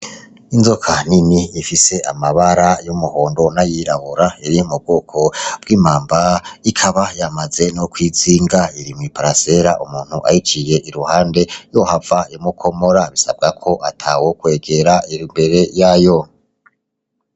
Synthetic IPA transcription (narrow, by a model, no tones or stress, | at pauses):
inzokʰaniniːfise̞amaβaɾajumuhoːndo̞najiɾahoɾaiɾijumub̚ɡokʰo̞b̥ɡiːmaːmbaikʰaβajamaze̞nokwiziːŋɡaiɾimŋwipaɾase̞ɾaʔumuːn̥huʔa̰hit͡ʃije̞ʔiɾuhaːnde̞johavaimukʰo̞mo̞ɾaβisa̰b̚ɡakʰo̞ʔatʰawokwe̞ːɡe̞ɾaiimbe̞ɾe̞jajo